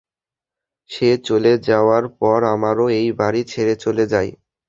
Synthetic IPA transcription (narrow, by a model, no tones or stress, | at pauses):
ʃet͡ɕoled͡ʑaoaɾpɔɾamaɾoejbaɾit͡ɕʰeɾet͡ɕoled͡ʑaj